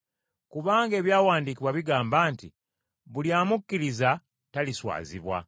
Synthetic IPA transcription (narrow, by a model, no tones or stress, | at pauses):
kuβaːŋɡe̞ːβjaːwaːndikiβwaβiɡaːmbaːnti | βuljaːmukːiɾiza | taliswa̰ːzḭβwa̰